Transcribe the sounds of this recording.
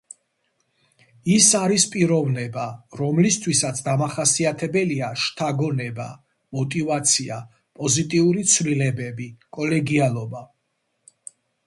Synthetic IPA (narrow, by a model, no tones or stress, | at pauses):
isaɾispʼiɾɔvnɛbaɾɔmlist̪ʰwisat̪sʰd̪amaχasiat̪ʰɛbɛliaʃt̪ʰaɡɔnɛba̰ | mɔt̪ʼivat̪sʰia | pʼɔzit̪ʼiuɾit̪sʰvlilɛbɛbikʼɔlɛɡialˠɔba